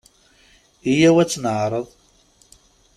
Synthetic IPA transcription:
ijæwæt͡sːnəʕɾˤəðˤ

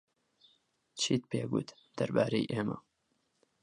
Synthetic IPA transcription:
t͡ʃʰiːt̪̚peːɡṵːt̪ | d̪̥ɐɾbaːɾejʔeːmɐ̰

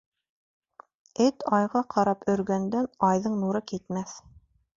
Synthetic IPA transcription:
ɘt̪ɑjʁɑqʰɑɾɑpɵ̆ɾɡænd̪ænɑjðɤɴnuɾɤkit̪mæθ

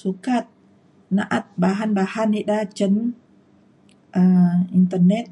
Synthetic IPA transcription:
sukat̪̚ | naʔat̪̚baɦanbahanidat͡ʃən | ʔəint̪ərnɛt̪̚

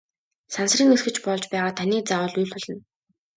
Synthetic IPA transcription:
sansriːŋerxɘ̆t͡ɕpɔɮt͡ɕpæːʁaːt̪ʰaniːk̚t͡saʊɮujɬʲʊɮɞ̆n

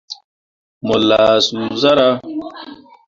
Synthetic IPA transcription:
molːasuzɐɾa

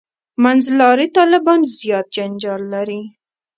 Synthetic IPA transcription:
manzlɑɾit̪ɑlɪbɑnzjɑt̪̚d͡ʒand͡ʒɑlːaɾi

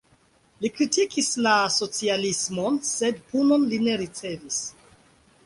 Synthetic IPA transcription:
likɾitikislaso̞t͡sialismo̞nse̞dpuno̞nline̞ɾit͡se̞vis

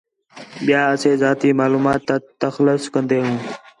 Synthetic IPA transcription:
ɓɪjaːəseːzaːt̪iːmaːluːmaːt̪ːaːt̪əxləskə̃nd̪eːɦũː

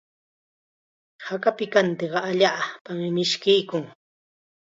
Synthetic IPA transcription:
hakapɪkant̪eɢɑaʎaːpamɪmɪʃkɪjkʊŋ

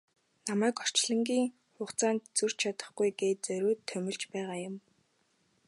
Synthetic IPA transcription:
namæːkɔr̥t͡ɕɮə̆ŋɡʲiːŋ | χʊːχt͡saːnt̪t͡sur̥t͡ɕʰat̪ə̆χɡujɡeːt̪̚t͡sœɾʲuːt̪ʰːœmʲɪ̆ɮt͡ɕpæːʁaːjʊm

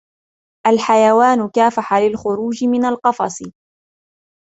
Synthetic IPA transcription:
ʔalħajawaːnʊkaːfaħalɪlxʊɾuːd͡ʒɪmɪnalqɑfɑ̰sˤ

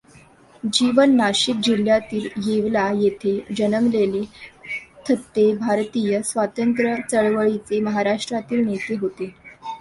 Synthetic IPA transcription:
d͡ʑiʋənːaɕik̚d͡ʑil̤jat̪iːljeʋlajet̪ʰed͡ʑənəmlele | t̪ʰət̪ːebʱaɾt̪ijəsʋat̪ənt̪ɾət͡səɭʋəɭit͡seməɦaɾaʂʈɾat̪iːlnet̪eɦot̪e

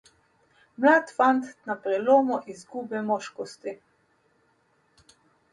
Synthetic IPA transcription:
mlaːt̪fant̪napɾɛloːmɔʔizɡubɛmɔʃkɔst̪i

